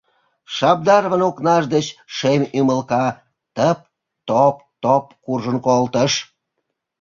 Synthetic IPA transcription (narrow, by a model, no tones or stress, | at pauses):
ʃɑb̚d̪ɑrβənoknɑʒd̪ət͡ɕʃemʲyməlkɑ | t̪əp̚ | t̪opt̪op̚kurʒənkolt̪əʃ